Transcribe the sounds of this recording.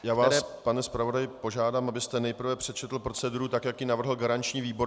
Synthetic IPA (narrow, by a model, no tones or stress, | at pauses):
jaːvasɛpanɛspɾavo̞dajɪpo̞ʒaːdaːmʔabɪst̪ɛnɛjpr̩vɛpr̥ɛt̪t͡ʃɛt̪l̩pɾo̞t͡sɛduɾut̪akjakjɪnavr̩ɦl̩ɡaɾant͡ʃɲiːviːbo